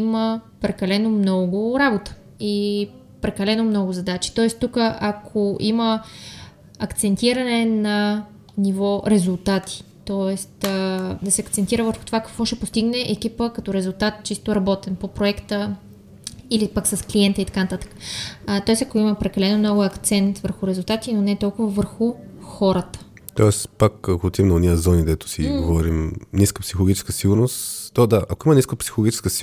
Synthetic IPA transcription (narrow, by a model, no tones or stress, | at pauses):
iməpɾɛkɐlɛnomnɔɡʊɾabot̪ə̥ | i | pɾɛkɐlɛnomnɔɡʊzɐd̪at͡ʃi̥t̪ɔɛst̪ukəʔakʰoʔimə | ɐkt̪sɛnt̪iɾɐnɛnɐ | nivɔɾɛzulˠt̪at̪ʰi̥t̪ɔɛst̪d̪ɐsɛɐkt̪sɛnt̪iɾəvəɾxot̪ovakɐ̥kvɔʃɛpost̪iɡnɛʔɛk̟ipəkɐt̪ɔɾɛzulˠt̪at̪̚t͡ʃist̪oɾɐbɔt̪ɛnpopɾoɛkt̪ə | ilipəksɐskliɛnt̪əit̪ɐ̥kant̪at̪ə̥kə̥t̪ɔɛst̪ɐkoimɐpɾɛkɐlɛnomnɔɡʊɐkt̪sɛnt̪vəɾxʊɾɛzulˠt̪at̪inonɛt̪ɔlˠkʊvəvəɾxʊxɔɾət̪ə̥ | t̪ɔɛspakɐkoːt̪imnɐoniəzɔnid̪ɛt̪ʊ̥siɡovɔɾimniskəpsixolˠoɡit͡ʃɛ̥skəsiɡʊɾnost̪t̪ɔd̪aʔɐkoiməniskəpsi̥xolˠɡit͡ʃɛ̥skəsi